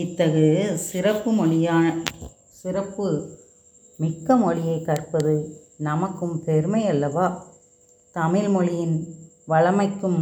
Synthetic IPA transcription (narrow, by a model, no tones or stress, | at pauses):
ɪt̪ːɐɣɯsɪɾɐpːɯmɔɭɪjaːɐ | sɪɾɐpːɯ | mɪkːɐmɔɭɪjɐɪkːɐrpɐðɯ | nɐmɐkːɯmpɛɾɯmɐɪjɐlːɐʋaː | t̪ɐmɪlmɔɭɪjɪn | ʋɐɭɐmɐɪkːɯm